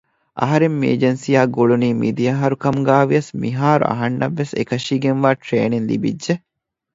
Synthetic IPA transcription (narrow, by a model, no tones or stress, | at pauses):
ʔɐ̰ɦɐɾemːiḛd͡ʒensijaːɡoɭuniːmid̪ijɐɦɐɾukɐmɡaːʋiɐsmiɦaːɾṵʔɐ̰ɦɐnːɐʋːesḛkɐʃiːɡenʋaːʈɾeːninlḭbidːʒe